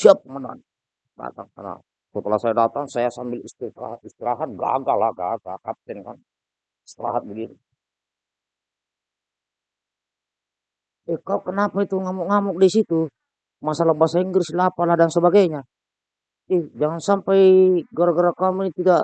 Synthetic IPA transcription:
siap̚kmada̰n | da̰t̪aŋkarna̰ | sɔt̪əlasajadat̪aŋsajasambilist̪ia̰hat̪̚ist̪iɾaɦat̪̚ɡa̰ɡalaɡa̰ɡakap̚t̪ɛnka̰n | st̪əɾa̰ɦat̪̚bəɡinu | ɛhkaɔʔkənapait̪uŋamɔŋamɔk̚disit̪u | masalabasaiŋɡərsilapaladaŋsəbaɡaɲa | ihd͡ʒaŋansampajɡaɾaɡaɾakaminit̪ida

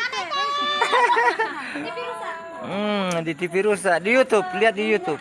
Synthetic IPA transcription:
dit̪ipiɾusadijut̪up̚liat̪̚dijut̪up̚

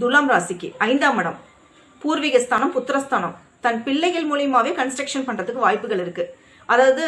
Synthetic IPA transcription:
d̪ʊlaːmɾaːsɪkːiɐɪnd̪aːmɐɽɐm | puːɾʋɪɣɐst̪ʰaːnɐmpʊt̪ːɯɾɐst̪ʰaːnɐm | t̪ɐnpɪɭːɐɪɣɐɭmuːlɪjmaːʋeːkɐnsʈɾɐkʂɐnpɐɳrɐðɯkːɯʋaːjpːɯɣɐɭɪɾɯkːɯ | ʔɐðaːɐðɯ

